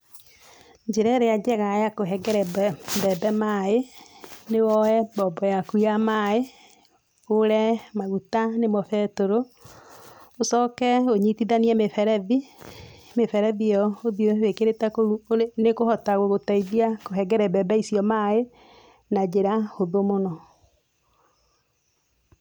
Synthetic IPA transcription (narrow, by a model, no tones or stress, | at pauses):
d͡ʒeɾɛɾead͡ʒɛɣajakoɦɛɡɛɾɛbɛbɛmaenewɔɛbɔːbɔjakuamae | oɾɛmaɣutanemɔfɛtoɾo | osɔkɛoɲitiðaniɛmefɛɾɛði | mefɛɾɛðiɔoðjowekeɾetɛkoɾunekohɔtaɣoɣotaiðiakoɦɛɡɛɾɛbɛbɛisiɔmae | nad͡ʒeɾahoðomonɔ